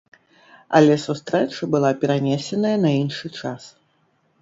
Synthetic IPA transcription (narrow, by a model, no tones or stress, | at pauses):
ɐ̰lʲɛsust̪ɾɛt͡ʂɐbɨlˠapʲɛɾanʲɛsʲɛnɐjɐnɐinʂɨt͡ʂas